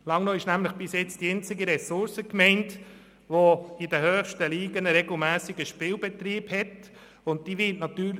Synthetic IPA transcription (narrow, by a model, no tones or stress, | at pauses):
lɑŋnoɪʃnæmləχb̥ɪsjɛt͡sd̥iɛnt͡sɪɡiɾɛsʊɾsəkmɛɪnt | ʋoɪdəhœːχʃtəliːɡənəɾɛɡl̩mæːsɪɡəʃpɪːlbɛt̪riːbhɛt | ʊnt̚d̥iːʋɪtnɑt̪yː